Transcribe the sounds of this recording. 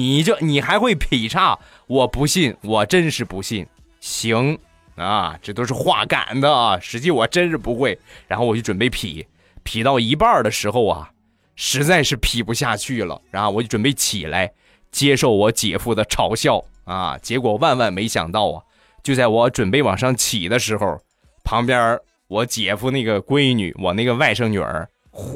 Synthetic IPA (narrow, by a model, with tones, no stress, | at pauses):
ni˨˩t͡ɕjo˥˩ʊni˨˩xa˧˥ɪxwe˥˩ɪpʰi˨˩ʈ͡ʂʰa˥˩ | wɔ˨˩pu˧˥ɕi˥˩nwɔ˨˩ʈ͡ʂə˥nʂɻ̩˥˩pu˧˥ɕi˥˩n | ɕi˧˥ŋ | ɐ̰˧ʈ͡ʂɤ˥˩t̪o˥ʊʂ̬ɻ̩˥˧xwa̰˥˩ka̰˨˩nd̪ə˦ɐ˩ʂɻ̩˧˥t͡ɕi˥˩wɔ˨˩ʈ͡ʂə˥nʂ̩˥˩pu˧˥xwe˥˩ɪɻa˧˥nxo˥˩ʊwɔ˨˩t͡ɕo˥˩ʈ͡ʂə˨˩npe˥˩ɪpʰḭ˨˩˦ | pʰi˨˩t̪ɑ˥˩ʊi˧˥pa˞˥˩d̪ə˩ʂɻ̩˧˥xo˥˧ʊɐ̰˩ | ʂɻ̩˧˥t͡sa˥˧ɪʂɻ̩˥˩pʰi˨˩pu˧˥ɕja˥˧t͡ɕʰy˥˩lə̰˩ɻa˧˥nxo˥˩ʊwʈ͡ʂə˨˩npe˥˩ɪt͡ɕʰi˨˩la˧˥ɪ | t͡ɕjɛ˥ʂo˥˩ʊwɔ˧˥t͡ɕjɛ̰˨˩fu˥˩d̪ə˩ʈ͡ʂʰɑ˧˥ʊɕjɑ˥˩ʊɐ̰˧t͡ɕjɛ˧˥kwɔ˨˩wa˥˧nwa˥˩nme˧˥ɪɕjɑ̰˨˩ŋt̪ɑ˥˩ʊɐ̰˩ | t͡ɕjo˥˧ʊt͡sa˥˩ɪwɔ˧˥ʈ͡ʂwə˨˩npe˥˩ɪwɑ̰˨˩ŋʂɑ˥˩ŋt͡ɕʰi˨˩d̪ə˦ʂɻ̩˧˥xo˥˧ʊ | pʰɑ˧˥ŋpjə˥ | wɔ˧˥t͡ɕjɛ˨˩fu˥˧na˥˩ɡə˩kwe˥ɪny̰˨˩˦wɔ˨˩na˥˩ɡə˩wa˥˧ɪʂɤ˥˩ŋny̰˨˩ə̰˞˧˥